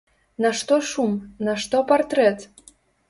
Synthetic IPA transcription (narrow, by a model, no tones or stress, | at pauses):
naʂt̪ɔʂumnaʂt̪ɔpart̪ɾɛt̪